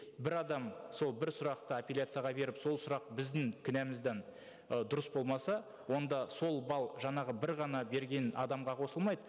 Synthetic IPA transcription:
bɪɾɑd̪ɑmso̞lˠbɪɾsʊɾɑqt̪əapʲelʲat̪sɨjaʁɑbe̞ɾɪpso̞lˠsʊɾɑq̚bɪzd̪ɪŋkʲʰʏnæmɪzd̪ɑn | d̪ʊɾəsbo̞lˠmɑsɑ | wo̞nd̪ɑso̞lˠbɑlˠʒɑɴɑʁəbɪɾʁɑnɑbe̞ɾɡʲe̞nɑ̰d̪ɑmʁɑqʰo̞səlˠmɑjd̪ə

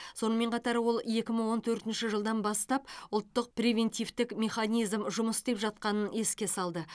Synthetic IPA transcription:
so̞nəme̞ɴqʰɑt̪ɑɾwo̞lˠje̞kʲɪməɴwo̞nt̪ʰɵɾt̪ɪnʃɪʒəlˠd̪ɑnbɑst̪ɑp̚ʊlˠt̪ːəq̚prʲivʲe̞nt̪ʲijvt̪ɪkmʲe̞χanijzmʒʊməst̪e̞pʒɑt̪̚qɑnəne̞skʲe̞sɑlˠd̪ə

